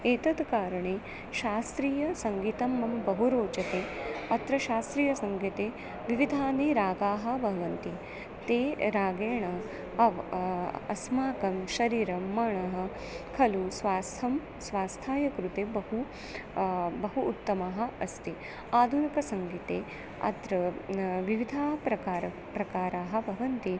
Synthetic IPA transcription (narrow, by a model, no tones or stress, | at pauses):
eːt̪ɐd̪kaːɾɐɳeː | ʃaːst̪ɾiːjɐsɐŋɡit̪ɐmːɐmbɐɦuɾoːt͡ʃɐt̪eːɐt̪ɾɐʃaːst̪ɾiːjɐsɐŋɡit̪eː | ʋiʋid̪ʱaːneːɾaːɡaːɦɐ̆bʱɐʋɐnt̪i | t̪eːɾaːɡeːɳɐ | ɐʋ | ɐ̰smaːkɐmʃɐɾiːɾɐmmːɐɳɐɦɐ̆ | kʰɐlusʋaːst̪ʰɐm | sʋaːst̪ʰaːjɐkɾut̪eːbɐɦu | bɐɦuːt̪ːɐmaːɦɐ̆ɐst̪i | aːd̪ʱunikɐsɐŋɡit̪eː | ɐ̰t̪ɾɐʋiʋid̪ʱaːɦɐpɾɐkaːɾɐ | pɾɐkaːɾaːɦɐ̆bʱɐʋɐnt̪i